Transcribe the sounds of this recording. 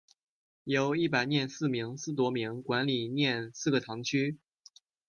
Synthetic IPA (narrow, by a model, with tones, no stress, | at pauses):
jo˧˥ʊi˥˩p̬a˨˩ɪnjɛ˥˧nsɹ̩˥˩mi˧˥ŋsɹ̩˥˩t̪̬wɔ˥mi˧˥ŋkwa˧˥nli˨˩njɛ˥˩nsɹ̩˥˩ɡə˩t̪ʰɑ˧˥ŋt͡ɕʰy˥